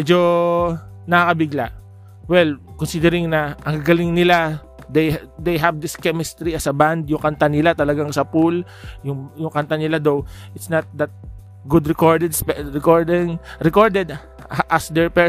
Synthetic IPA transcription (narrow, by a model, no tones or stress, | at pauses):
ɛd͡ʒo | nɐakɐbɪɡlaʔ | wɛlkɔnsid̪ɛɾɪŋnɐʔɐŋɡaɡɐlɪŋnɪla | d̪ejd̪ejɦɐvd̪ɪskɛmɪst̪ɾiɐsɐband̪jʊŋkɐnt̪anɪlat̪ɐlɐɡaŋsɐpul | jʊŋjʊŋkɐnt̪anɪlad̪ow | ʔɪt̪snɐt̪̚d̪ɐt̪̚ | ɡʊd̪ɹɛkoɹd̪ɛd̪spɛɹɛkoɹd̪ɪŋɾɛkoɹd̪ɛd̪ | ʔɐsd̪ɛɹpɛ